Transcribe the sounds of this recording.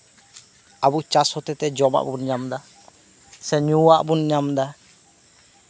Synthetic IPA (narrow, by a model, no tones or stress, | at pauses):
abut͡ʃashɔt̪ɛt̪ɛd͡ʒɔma̰ʔbunɲamd̪a | sɛɲuaʔbunɲamd̪a